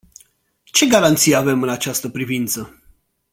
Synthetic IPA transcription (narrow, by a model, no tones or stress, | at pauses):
t͡ʃe̞ɡaɾant̪sijave̞mɨnat͡ʃast̪əpɾivint̪sə